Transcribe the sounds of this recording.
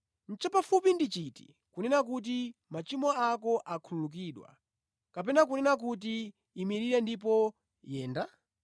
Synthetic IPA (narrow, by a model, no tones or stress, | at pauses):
n̩t͡ʃɛpafupindit͡ʃiti̥̰ | kunɛnak̬ut̬imat͡ʃimɔakɔʔakʰululuk̬iɗwa̰ | kapɛnak̬unɛnak̬ut̬iː | miɾiɾɛndip̬ɔ | jɛːnda